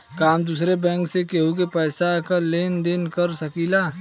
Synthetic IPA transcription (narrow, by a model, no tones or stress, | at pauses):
kaːmd̪uːsɾebɛ̃ːŋksekeɦuk̬epɛːsakaleːnd̪ɪnkɐɾsɐkiːlaː